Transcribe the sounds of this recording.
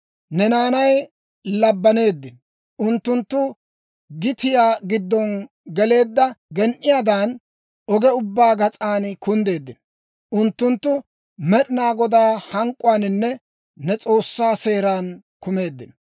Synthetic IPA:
nɛnaːnɐj | lɐbːɐne̞ːd̪ːɪn | ʔʊnt̪ːʊnt̪ːʊ | ɡɪt̪ɪjaːɡɪd̪ːɔn | ɡɛle̞ːd̪ːɐɡɛnʔɪjaːd̪aːn | ʔɔɡɛʊbːaːɡɐt͡sʼaːnkʊnd̪e̞ːd̪ːɪn | ʔʊnt̪ːʊnt̪ːʊ | mɛɗɪnaːɡɔd̪aːhɐŋkʼʊaːnɪnːɛ | nɛt͡sʼo̞ːsːaːse̞ːɾaːn | kʊme̞ːd̪ːɪn

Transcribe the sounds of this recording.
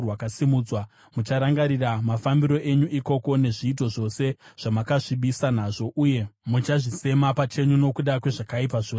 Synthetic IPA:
rwakasimud͡zwa | mut͡ʃaɾaŋɡaɾiramafambiɾo̞ʔe̞ɲuʔiko̞ko̞ne̞ʐiːt̬o̞ʐo̞se̞ʐ̥amakaʐiɓisanaʐo̞ʔuːje̞mut͡ʃaʐise̞mapat͡ʃe̞ɲuno̞kuɗakwe̞ʐakaip̬aʐoː

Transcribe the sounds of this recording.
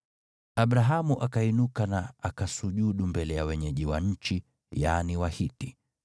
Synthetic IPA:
aɓɾaɦamuʔakainukanaakasuʄuɗumbɛlɛjawɛɲɛʄiwa̰ɲ̩t͡ʃi | janiwahiti

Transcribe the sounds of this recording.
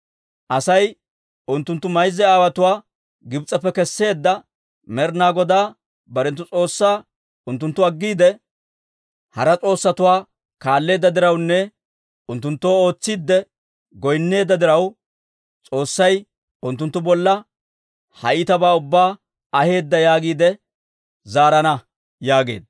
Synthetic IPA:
ʔɐsɐj | ʊnt̪ːʊnt̪ːʊmɐjzːɛaːwɐt̪ʊwaː | ɡɪbt͡sʼːɐpːɛkɛsːe̞ːd̪ːɐ | mɛɾnaːɡɔd̪aː | bɐɾɛnt̪ːʊt͡sʼo̞ːsːaː | ʊnt̪ːʊnt̪ːʊɐɡːiːd̪ɛ | hɐɾɐt͡sʼo̞ːsːɐt̪ʊwaː | kaːlːe̞ːd̪ːɐd̪ɪɾɐwnːɛ | ʊnt̪ːʊnt̪ːoːo̞ːt͡sːid̪ːɛ | ɡɔjnːe̞ːd̪ːɐd̪ɪɾɐw | t͡sʼo̞ːsːɐj | ʊnt̪ːʊnt̪ːʊbɔlːɐ | hɐ̰ʔɪt̪ɐbaːʊbːaː | ɐhe̞ːd̪ːɐjaːɡiːd̪ɛ | zaːɾɐnɐ | jaːɡe̞̰ːd̪

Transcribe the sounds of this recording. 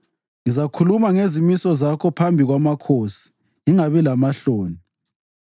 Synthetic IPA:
ŋizakʰulumaŋezimisɔzakʰɔpʰambʱiɣwamakʰosi̥ | ŋiŋaβɛlamaɬoːni

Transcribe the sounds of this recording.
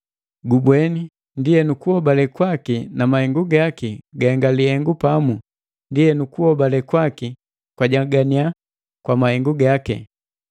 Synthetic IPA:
ɡubwɛni | ndijɛnukuhɔbalɛkwakinamahɛŋɡuɡakiɡaɛŋɡalihɛŋɡupamu | ndijɛnukuhɔbalɛkwaki | kwaɟaɡania | kwamahɛŋɡuɡakɛ̰

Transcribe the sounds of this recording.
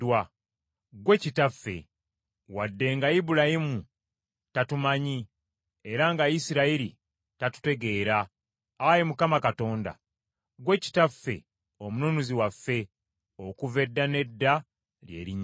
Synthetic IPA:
wa | ɡwe̞citafːe̞̰ | wadːe̞ŋɡaibuɾahimu | tatumaɲi | eɾaŋɡaisiɾaiɾi | tatu̥te̞ɡe̞ːɾaː | jemukamakato̞ːnda̰ | ɡwe̞ci̥tafːe̞̰ | omunonuziwafːe̞ | o̞kuve̞dːane̞dːa | lje̞̰ːɾiɲ

